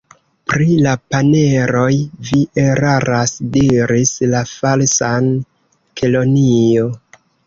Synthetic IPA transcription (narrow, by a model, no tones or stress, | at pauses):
pɾilapane̞ɾo̞jviʔeɾaɾasdiɾislafalsan | kʰelo̞nio